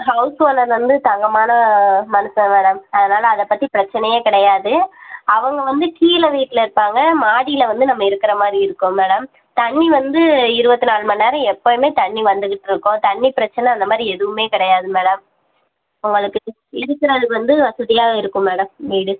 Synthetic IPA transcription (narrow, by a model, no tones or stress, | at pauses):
ɦɐʊsoːlɐɾʋɐnd̪ɯt̪ɐŋɡɐmaːnɐmɐnɯsɐ̃meːɽɐmɐðɐnaːlɐːðɛpːɐt̪ːipɪɾɐt͡ʃːɐnɐjeːkɪɽɐjaːðɯɐʋɐŋɡɐʋɐnd̪ɯkiːlɐʋiːʈːɪlɐɪɾɯpːaːŋɡɐmaːɽijɪlɐʋɐnd̪ɯnɐmːɐɪɾɯkːɪɾɐmaːd̪ɾiɪɾɯkːʊ̃meːɽɐm | t̪ɐɳːiʋɐnd̪ɯɪɾɯbɐt̪ːɯnaːɭmɐnːeːɾɐ̃ɛpːɐmeːt̪ɐɳːiʋɐnd̪ɯkɪʈːɪɾɯkːʊ̃t̪ɐɳːipɪɾɐt͡ʃːɐnɛɐnd̪ɐmaːd̪ɾiɛðɯʋɯmeːkɪɽɐjaːðɯmeːɽɐm | ʊŋɡɐɭɯkːɯ | ɪɽɯkːɪɾɐðɯʋɐnd̪ɯʋɐsɯðɪjaːɣɐɪɾɯkːʊ̃meːɽɐmʋiːɽɯ